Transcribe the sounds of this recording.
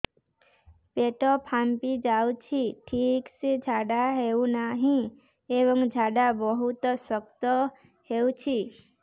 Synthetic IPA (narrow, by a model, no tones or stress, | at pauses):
peʈɔpʰampid͡ʒaut͡ʃʰiʈʰiksed͡ʒʱaɖaɦeunaɦĩ | ebɔŋd͡ʒʱaɖabɔɦut̪səkt̪ɔ | heut͡ʃʰi